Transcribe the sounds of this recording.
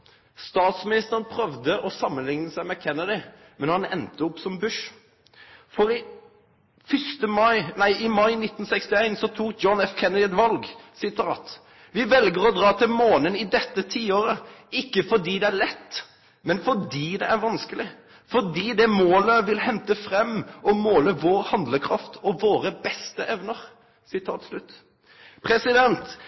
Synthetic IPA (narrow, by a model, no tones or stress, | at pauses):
st̪ɑːt̪smɪnɪst̪əʁənpʰɾœʋd̪əʔɔsɑmːənlɪŋnəsæɪmɛkʰɛnːəd̪ɪ | mɛnhɑnɛ̰nt̪əʊpsɔmbʉʂ | fɔɾɪ | fʏst̪əmɑɪnæɪʔɪmɑɪnɪt̪ːn̩sɛkst̪ɪæɪnsɔt̪ʰuːk̚d̪d͡ʒjɔnɛfkʰɛnəd̪ɪɛt̪ʋɑlɡsɪt̪ɑːt̪ | ʋɪʋɛlɡəʁɔd̪ʁɑːt̪ʰɪlmoːnənɪd̪ɛt̪ːət̪ʰiːoːɾəɪkːəfɔd̪iːd̪ɛælɛt̪ː | mɛnfɔd̪iːd̪ɛʔæɾʋɑnskəlɪ | fɔd̪iːd̪ɛmoːləʋɪlhɛnt̪əfɾɛmːɔmoːləʋoːɾhɑnd̪ləkʰɾɑft̪ʰɔʋoːɾəbɛst̪əʔɛʋnəʁ | sɪt̪ʰɑːt̪slʉt̪ː | pʰɾɛsɪd̪ɛnt̪